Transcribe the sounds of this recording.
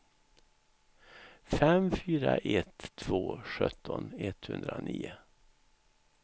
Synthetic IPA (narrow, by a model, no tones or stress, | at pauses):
fɛmfyːɾaʔɛt̪ʰːvoːɧœt̪ʰːɔnɛt̪hɵnd̪ɾaniːʊ